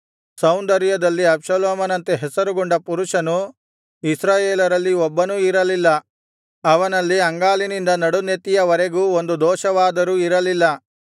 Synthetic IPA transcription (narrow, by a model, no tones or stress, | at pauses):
sɐwnd̪ɐɾijɐd̪ɐlːiɐbʂɐloːmɐnɐnt̪eɦɛsɐɾuɡuɳɖɐpuɾuʂɐnu | isɾaːjeːlɐɾɐlːiɔbːɐnuiɾɐlilːɐ | ɐʋɐnɐlːiɐŋɡaːlinind̪ɐnɐɽunet̪ijɐʋɐɾeɡuːond̪ud̪ɔːʃɐʋaːd̪ɐɾuːiɾɐlilːɐ